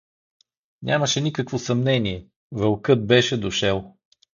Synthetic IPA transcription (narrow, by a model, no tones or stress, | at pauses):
nʲʔaməʃɛnikəkvosɐmnɛniɛ | vəlˠkɤt̪̚bɛʃɛd̪oʃɛlˠ